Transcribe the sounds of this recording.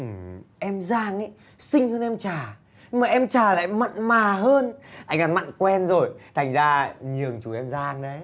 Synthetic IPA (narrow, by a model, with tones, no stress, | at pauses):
ʔɨ˨˩ʔɛ˧mzaː˧ŋʔə˧˦j | sï˧ŋ̟həː˧nʔɛ˧mt͡ɕaː˨˩ | ɲɨ˧ŋmaː˨˩ʔɛ˧mt͡ɕaː˨˩la̰ː˧˨jmə̰˧˨nmaː˨˩ɦəː˧nʔa˧jŋ̟ka˨˩nma̰˧˨nkwɛ˧nzo˨˩jt̪ʰa˨˩jŋ̟zaː˧ɲɨ˨˩əŋt͡ɕu˨˩ʔɛ˧mzaː˧ŋɗə˨˦